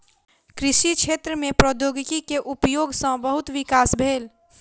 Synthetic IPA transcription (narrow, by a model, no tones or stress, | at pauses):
kɾɪʃit͡ʃʰet̪ɾəmẽpɾɔd̪joɡkikeʔupjoːɡsə̃bəɦʊt̪ʋikaːsbʱeːl